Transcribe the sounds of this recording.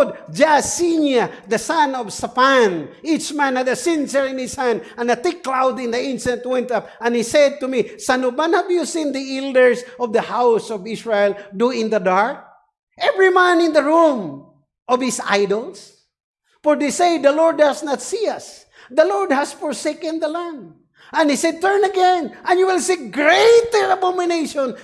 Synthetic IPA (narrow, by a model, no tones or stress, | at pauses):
d̪d͡ʒasinjad̪əsãnɔvsafanit͡ʃmãnhad̪ɐsɪ̃nsəɹɪ̃nhɪshæ̃nd̪̚ãnɐt̪ɪkːlawd̪ɪ̃nd̪əɪ̃nst̪ãnt̪̚wɛ̃nt̪ap̚ãnhisɛd̪̚t̪umisanubãnhavjusĩnd̪iɛld̪əɹsɔvd̪ɐhawsɔvɪsɹaɛld̪uɪ̃nd̪əd̪aɹk̚ | ʔɛvɹimãnɪ̃nd̪əɹũm | ʔɔvhɪsa̰jdɔls | fɔɹd̪eseɪd̪ɐlɔɹd̪̚asnat̪siɐs | d̪əlɔɹd̪̚hasfɔɹsekɨ̃nd̪əlãnd̪ | ə̃nhisɛd̪̚t̪ɛɹnɐɡɛ̃nʔə̃njuwɪlsiɡɹet̪ɛɹabɔmɪnejʃɔ̃n